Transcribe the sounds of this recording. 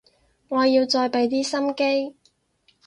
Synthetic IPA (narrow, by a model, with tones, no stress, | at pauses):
ŋɔː˨˧jiː˧wt͡ʃɔː˧jpe˨˧˥jt̪̬iː˥sɐ˥mke˥j